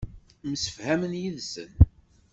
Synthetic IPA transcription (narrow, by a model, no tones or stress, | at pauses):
məsə̥fhæmənjiðsə̰n